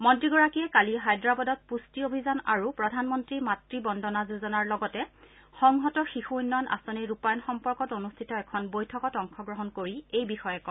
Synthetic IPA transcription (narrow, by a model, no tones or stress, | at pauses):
mɔntɹiɡɔɹakijɛkaliɦajdɹabɔdɔt̚pustiobʱizana̰ɹupɹɔdʱanmɔntɹimatɹibɔndɔnazuzɔnaɹlɔɡɔtɛ | xɔŋɦɔtɔxixuunːɔjɔnʔa̰sɔniɹupajɔnxɔmpɔɹkɔtonustʰitɔɛkʰɔnbojtʰɔkɔtɔŋkʰɔɡɹɔɦɔnkoɹiejbixɔjɛkɔ